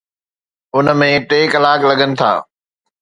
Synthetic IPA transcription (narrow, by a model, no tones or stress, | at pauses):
ʊnə̆mẽʈeːkɐlaːklɐɠənɪ̆t̪ʰa̰ː